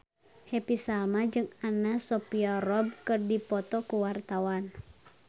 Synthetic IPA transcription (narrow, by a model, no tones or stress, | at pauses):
hepisalmad͡ʒɨŋanasɔpiɔrɔb̚kɨrdipɔt̪ɔkuwart̪awan